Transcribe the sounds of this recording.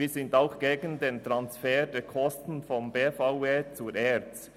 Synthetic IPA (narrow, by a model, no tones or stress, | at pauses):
iːzɪntaʊxɡ̥eːɡən̩deːntɾansfɛːdɛːkʰɔstn̩fɔnbeːfaʊeːt͡suʔɛt͡s